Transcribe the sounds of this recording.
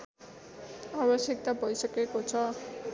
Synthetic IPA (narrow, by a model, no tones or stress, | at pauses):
abʌsjʌk̚t̪abʱʌjsʌkekot͡sʰʌ